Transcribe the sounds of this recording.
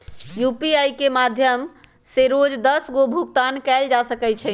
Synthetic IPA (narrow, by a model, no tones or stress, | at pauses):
jupiajkemad̪ʱjəm | seɾod͡ʒd̪əsɡobʱukt̪ankɛld͡ʒasəkɛt͡ʃʰɛ